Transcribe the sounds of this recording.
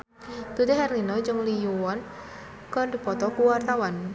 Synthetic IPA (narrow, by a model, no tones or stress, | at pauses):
d̪̥ud̪eɦɛrlinɔd͡ʒɨŋlijuwɔn | kard̪ipɔt̪ɔkuwart̪awan